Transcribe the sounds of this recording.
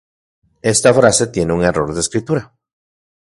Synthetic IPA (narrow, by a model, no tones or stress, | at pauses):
e̞st̪afɾase̞t̪je̞neuŋe̞ro̞ɾðeeskɾit̪uɾa